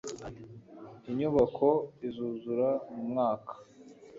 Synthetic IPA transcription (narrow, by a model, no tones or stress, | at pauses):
iɲuβakʰoizuːzuɾamumŋaːkʰḁ